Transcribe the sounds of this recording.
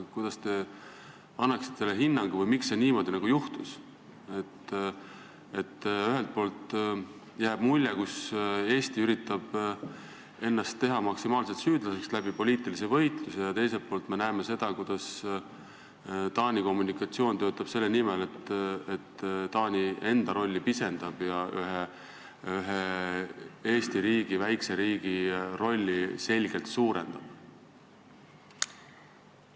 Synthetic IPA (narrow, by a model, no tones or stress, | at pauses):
kujd̪̥ɑst̪e̞ | ɑnːɑksi̥t̪ese̞lːeɦinːɑŋɡ̥uvɤjmikse̞niːmo̞ːd̪inɑɡ̥ujuht̪us | e̞t̪ː | e̞t̪ːyɦe̞lt̪̚po̞ːlt̪ | jæːb̥mulʲjekuse̞ːst̪iyɾit̪ːˑɑb̥ | e̞nːɑst̪ːe̞ɦɑmɑksimɑːlset̪syːd̪̥lɑse̞kslæb̥ipo̞lʲiːt̪ˑilisevɤ̞jt̪lusejɑt̪e̞jse̞lt̪̚poːlt̪me̞næeme̞se̞d̪̥ɑkud̪̥ɑs | t̪ɑːnʲiko̞mːunikɑt̪sio̞ːnt̪ø̞ːt̪ːˑɑb̥se̞lːenimele̞t̪et̪t̪ːɑːnʲie̞nd̪̥ɑɾo̞lʲːipise̞nd̪̥ɑb̥jɑʔyɦe | yɦe | e̞ːst̪iɾiːɡ̥ivæjkse̞ɾiːɡ̥iro̞lʲːise̞lʲɡ̥e̞lt̪suːɾe̞̰nd̪̥ɑb̥